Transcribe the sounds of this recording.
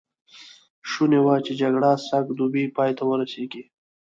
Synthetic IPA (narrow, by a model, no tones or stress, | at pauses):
ʃunewat͡ʃed͡ʒaɡɽasakd̪ubipɑːjt̪awəɾaseɡi